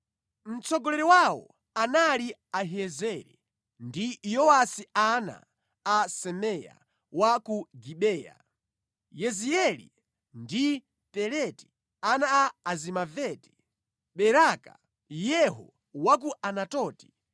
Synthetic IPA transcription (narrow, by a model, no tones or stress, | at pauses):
m̩t͡sɔɡɔlɛɾɛwawɔ̰ | analiaɦɛzɛɾɛ̰ | ndijɔwasiana̰ː | sɛmɛja̰ | wakuɡiɓɛːja̰ | jɛziɛlḭ | ndi | pɛɾɛti̥ | anaːzimavɛti̥ | ɓɛɾaka̰ | jɛɦɔ̰ | wak̬uʔanatɔːti̥